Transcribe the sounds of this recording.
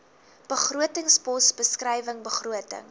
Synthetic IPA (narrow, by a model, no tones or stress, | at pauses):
b̥əχruətəŋspɔsbəskrɛjvəŋbəχruətə̰ŋ